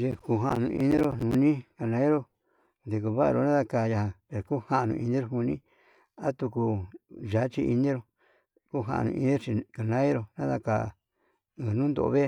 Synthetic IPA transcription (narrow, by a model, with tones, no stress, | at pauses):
ʒe˧ku˧ɦã˧nũ˧ʔḭ˧nĩ˦ɾo˧nũ˧nĩ˦ka˧˨nã˧˦e˦ɾo˧ | nd̪e˨˧ko˧βa˦a̰˧ɾo̰˧nã˦ða˧ka˧ja˧hã˧pe˧˨o˨ku˦hã˦ʔnṵ̃˧i˧nĩ˦ɾo˧hu˧nĩ˦ | a˦t̪u˧ku˧ʒa˨˦t͡ʃi˧ʔi˧nĩ˦ɾo˧ | ku˦ɦa̰˧ʔa̰˧nṵ̃˧ḭ˧nĩ˦ɾo˧t͡ʃi˧ka˨nã˦i˦ɾo˧nã˦ða˧ka˧˨ | e˧˨nũː˦nd̪o̰˨ʔo̰˧βe˦˧